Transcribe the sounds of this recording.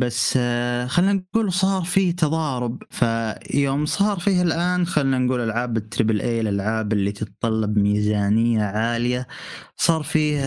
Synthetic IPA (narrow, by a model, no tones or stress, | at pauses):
basːxalːnanɡuːlsˤɑːɾˤfiːt̪ʰɑðˤɑːɾʊbfajoːmsˤɑːɾˤfiːhalʔaːnxalːnanɡuːlalʕaːbɪt̪ɾɪbɪlʔeːlalʕaːbɪlːit̪ʰɨt̪t̪ˤːɑlːɑbmiːzaːnɪjːaʕaːlɪjasˤɑːɾˤfiː